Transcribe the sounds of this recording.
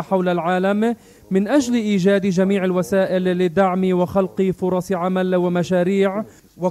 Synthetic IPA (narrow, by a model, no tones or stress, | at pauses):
ħawlalʕaːlamː | ɪnʔaʒlʔiːʒaːd̪ʒamiːʕalwasaːʔɪlːɪd̪aʕmiwɪxalqifʊɾˤɑsʕamalwɪmaʃaːɾiːʕ | wɪ